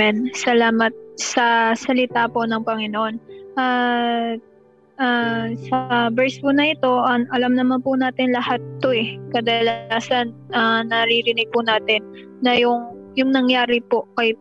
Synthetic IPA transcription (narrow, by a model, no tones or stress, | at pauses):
ɛnsɐlaːmɐt̪̚sɐsɐlɪt̪apo̞nɐŋpɐŋɪnoʔo̞nʔa | ʔasɐbɛɹspʊnɐʔɪt̪o̞ʔɐŋʔɐlɐmnɐmanpʊnaːt̪ɪnlɐhat̪ːoʔɛkɐd̪ɐlaːsɐnʔɐnɐɾiɾɪnɪɡ̚pʊnaːt̪ɛnː | ɐjʊŋ | jʊŋnɐŋjaːɾɪpo̞kɐj